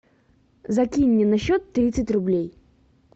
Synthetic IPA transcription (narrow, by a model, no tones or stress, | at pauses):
zɐkʲinʲːɪnɐɕːot̪ːɾʲit̪sɨtʲrʊblʲej